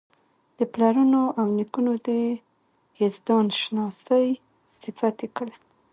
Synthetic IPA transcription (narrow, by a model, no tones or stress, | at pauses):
d̪̥əplaɾunoʔawnikunod̪ə | hezd̪ɑnʃnɑsəj | sɪfat̪ekəɽa